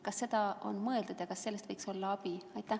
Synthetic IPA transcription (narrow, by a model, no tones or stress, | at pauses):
kɑsːe̞d̪ɑo̞̰nmɤeld̪ud̪̥jɑkɑsːse̞lːest̪vɤjkso̞lːɑɑb̥iɑjt̪ːˑæ